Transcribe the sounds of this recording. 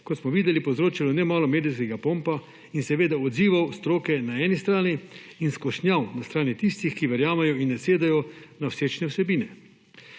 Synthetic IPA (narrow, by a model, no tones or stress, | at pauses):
kɔt̪smɔʋiːd̪ɛlipɔwzɾoːt͡ʃilɔnɛmaːlɔmeːd̪iskɛɡapoːmpa | insɛʋeːd̪aɔd̪ziːʋawst̪ɾoːkɛnaɛːnist̪ɾaːniinskɔʃnʲjawnast̪ɾaːnit̪ist̪ixkiʋɛɾjaːmɛjɔinːɛseːd̪ɛjɔnawseːt͡ʃnɛwsɛbiːnɛ